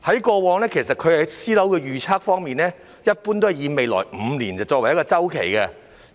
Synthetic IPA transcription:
hɐ˨˥jkɔː˧wɔː˨˧ŋlɛː˥kʰe˨˩s̬ɐ˨t̚kʰɵ˨˧hɐ˨˦˥jsiː˥lɐ˨˥wkɛː˧jyː˨t͡sʰaː˥k̚fɔː˥ŋmiː˨nɛː˥ | jɐ˥t̚puː˥nt̪o˥whɐ˨˩jiː˨˧me˨jlɔ̰ː˨˩jm̩˨˧nliː˨˩nt͡sɐ˨˩t͡sɔː˧kwɐ˨˩jɐ˥kɔː˧t͡sɐ˥wkʰḛ˨˩jkɛ˧

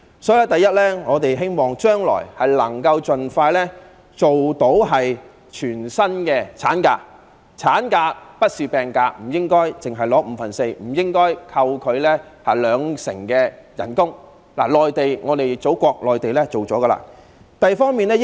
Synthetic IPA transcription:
sɔː˨˥jɐ˥t̪ɐ˨jːɐ˥t̚lɛː˥ŋɔː˨˧t̪e˨jɦe˥jmɔː˨ŋt͡ʃœː˥ŋlɔ̰ː˨˩jhɐ˨jlɐ˨˩ŋkɐ˧wt͡ʃɵ˨nfaː˧jlɛː˥ | t͡ʃo˨wt̪o˨˥wɦɐ˨j | t͡ʃʰyː˨˩nsɐ˥nkɛː˧t͡sʰaː˨˥nka̰ː˧k̚ | t͡sʰaː˨˥nkaː˧k̚pɐ˥t̚siː˨˧pɛː˨˩ŋkaː˧k̚m̩˨˩jɪ˥ŋkɔː˥jt͡sɪ˨ŋɦɐ˨˩jlɔː˨˥m̩˨˧fɐ˨˩nse˧jm̩˨˩jɪ˥ŋkɔː˥jkʰɐ˧wkʰɵ˨˧ɥlɛː˥hɐ˨˩jlœː˨˧ŋsɪ̰˨˩ŋkɛː˧jɐ̰˨˩nkʊ˥ŋ | la̰ː˨˩lɔː˨jt̪e˨jŋɔː˨˧t̪e˨jt͡so˨˥wkʷɔː˧k̚lɔː˨jt̪e˨jlɛː˥t͡so˨˩wt͡sɔː˨˥ɡɐ˧la̰ː˧ | t̪ɐ˨jfɔː˥ŋmiː˨nɛː˥

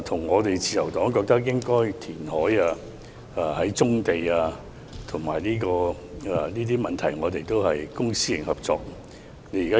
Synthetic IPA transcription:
t̪ʰʊ˨˩ŋŋɔː˨˧t̪e˨jt͡siː˧jɐ˨˩wt̪ɔː˨˥ŋkɔː˧k̚t̪ɐ˥k̚jɪ˥ŋkɔː˥jt̪ʰiː˨˩nhɔː˨˥jaː˧ | hɐ˨˥jt͡sʊ˥ŋt̪e˨jaː˧ | t̪ʰʊ˨˩ŋmaː˨˩jliː˥kɔː˧˨ | niː˥t̪iː˥mɐ˨nt̪ʰɐ˨˩jŋɔː˨˧t̪e˨jt̪o˥whɐ˨jkʊ˥ŋsiː˥jɪ˨˩ŋhɐ˨p̚t͡sɔ̰ː˧k̚ | ne˨˧jkaː˥

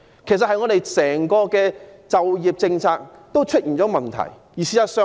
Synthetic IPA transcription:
kʰe˨˩sɐ˨t̚hɐ˨jŋɔː˨˧ɾe˨jsɛː˨˩ŋkɔː˧kɛː˧t͡sɐ˨wjiː˨p̚t͡sɪ˧ŋt͡sʰaː˧k̚t̪o˥wt͡ʃʰɵ˥t̚jiː˨˩nt͡ʃɔː˨˥mɐ˨nt̪ʰɐ̰˨˩j | jiː˨˩siː˧˥aː˧sœː˧

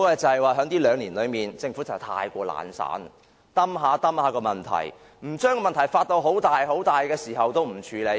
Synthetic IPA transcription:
ɔ˥ɛ˧t͡sɐ˨˧hjwaː˨˩ɦœ˨˥ŋt̪iː˥lœː˨˧ŋliː˨˩nlɵ˨˧ɥmiː˨˩nt͡sɪ˧ŋfuː˨˥t͡sɐ˨˩˨wt̪ʰa̰ː˧jkʷɔː˧la̰ː˨˥nsa̰ː˨˥n | t̪ɐ˥mɦaː˨˧˥t̪ɐ˥mhaː˨˥kɔː˧mɐ˨˩nt̪ʰɐ̰˨˩j | m̩˨˩t͡ʃœː˥ŋɔ˧mɐ˨nt̪ʰɐ˨˩jfaː˧t̚t̪o˧wɦo˨˥wt̪aː˨jho˨˥wt̪aː˨jkɛː˧siː˨˩ɦɐ˨wt̪o˥wm̩˨˩t͡ʃʰyː˨˧˥le˨˧j

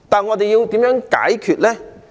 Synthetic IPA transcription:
t̪aː˨˩nŋɔː˨˧t̪e˨jiː˧wt̪iː˨˥mjœː˨˥ŋka̰ː˨˥jkʰyː˨t̚lɛː˥

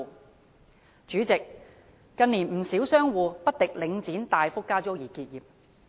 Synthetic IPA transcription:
t͡ʃyː˨˥t͡sɪ˨k̚ː | ɐ˧niː˨˩nm̩˨˩siː˨˥wsœː˥ŋwuː˨˧pɐ˥t̚t̪ɪ˨k̚lɪ˨˧˥ŋt͡siː˨˥nt̪aː˨jfʊ˥kːaː˥t͡sɔː˥jiː˨˩kiː˧t̚jiː˨p̚

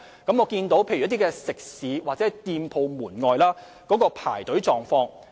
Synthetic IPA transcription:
kɐ˨˥mŋɔː˨˧kiː˧nt̪o˨˥wpʰe˧jt̪̬i˥kɛː˧sɪ˨˩k̚siː˨˧˥waː˨t͡sɛː˨˥t̪iː˧mpʰo˨˧wmuː˨˩nŋɔː˨˧jlaː˥ | kɔː˨˥kɔː˧pʰa̰ː˨˩jt̪ɵ˨˥ɥt͡sɔː˨ŋfɔː˧ŋ

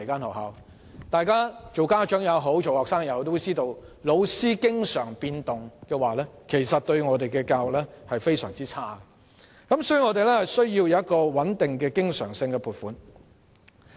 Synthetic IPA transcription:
jkaː˥nhɐ˨˩wɦa̰ː˨w | t̪aː˨jkaː˥t͡ʃo˨wkaː˥t͡ʃœː˨˥ŋjɐ˨˧wɦo˨˥wt͡ʃo˨whɔː˨ksaː˥ŋjɐ˨˥wt̪o˥wt͡siː˥t̪o˧w | lo˨˧wsiː˥kɪ˥ŋsœː˨˩ŋpiː˧nt̪ʊ˨ŋkɛː˧waː˨˩lɛː˥kʰe˨˩jsɐ˨t̚t̪ɵ˧ɥŋɔː˨˧t̪e˨jkɛː˧kaː˧wʊ˨k̚lɛ˥hɐ˨jfe˥jsœː˨˩ŋt͡siː˥t͡sʰaː˥ɡɛ˨ | kɐ˨˥msɔː˥jy˧ŋɔː˨˧t̪e˨lɛ˥hɐ˨jsɵ˥ɥjiː˧wjɐ˨wɐ˥t̚kɔː˧wɐ˨˥nt̪ɪ˨ŋkɛː˧kɪ˥ŋsœː˨˩ŋsɪ˧ŋkɛ˧pʰuː˨˩tfuː˨˥n

